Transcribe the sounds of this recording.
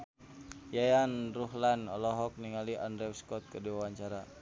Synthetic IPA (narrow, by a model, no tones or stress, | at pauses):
jajanruɦlanɔlɔɦɔk̚niŋaliʔandɾɛwskɔt̪̚kədiwawaɲt͡ʃaɾa